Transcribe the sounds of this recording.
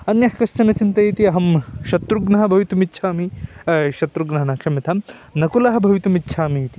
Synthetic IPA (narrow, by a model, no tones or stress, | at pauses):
ɐnjɐhkɐʃt͡ʃɐnɐt͡ʃint̪ɐjit̪iɐɦɐmʃɐt̪ɾuɡnɐɦɐbʱɐʋit̪umitːʃʰaːmiʃɐt̪ɾuɡnaːnaːkʂɐmit̪ʰɐnɐkulɐɦɐ̆bʱɐʋit̪umitːʃʰaːmijit̪i̥